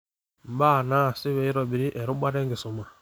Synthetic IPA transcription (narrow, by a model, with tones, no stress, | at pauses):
m̩˨baː˦˨na˦˨sɪ˦we˨i˦ɾɔ˨bi˨ɾi˦ʔɛ˨ɾʊ˦ba˦dɛ˦ŋ˦ɡɪ˨sʊ˨ma˨